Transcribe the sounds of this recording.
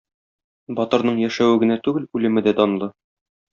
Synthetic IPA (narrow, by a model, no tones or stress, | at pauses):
bɒt̪ɤ̆ɾnɤɴjæʃæwɘɡɘ̆næt̪ʉɡɘlʉlɘ̆mɘd̪æd̪ɒnɤ̆lˠɤ